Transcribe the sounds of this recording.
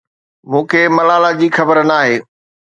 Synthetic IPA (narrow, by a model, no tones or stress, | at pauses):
mũːkʰeːmɐlaːlad͡ʑiːxɐbəɾnaːɦeː